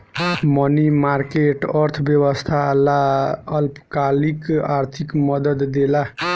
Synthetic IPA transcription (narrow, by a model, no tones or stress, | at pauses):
mʌnimaɾkeʈʌɾt̪ʰbjewəst̪ʰalaʌlpkalikaɾt̪ʰikmʌd̪əd̪ːela